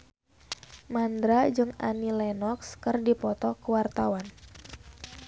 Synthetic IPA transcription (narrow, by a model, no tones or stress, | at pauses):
mand̪ɾad͡ʒɨŋa̰nilɛnɔkskɨrdipɔt̪ɔkəwart̪awan